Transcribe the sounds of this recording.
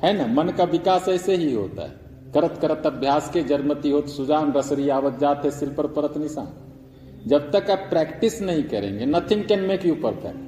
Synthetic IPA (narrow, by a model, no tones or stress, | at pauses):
hɛnamənkaʋikaːsəɪseɦiɦo̰t̪a̰ɦɛ̰ | kəɾət̪kəɾət̪əbʱjaːsked͡ʒəɾmət̪iɦot̪sud͡ʒaːnɾəsɾijaːʋət̪̚d͡ʒaːt̪ɦɛsɪlpəɾpəɾət̪nisa̰ːn | d͡ʒəb̚t̪əkapɾɛkʈisnəɦĩkəɾḛ̃ŋɡenət̪ʰɪŋkenmẽkeupəɾt̪ʰɛ̰̃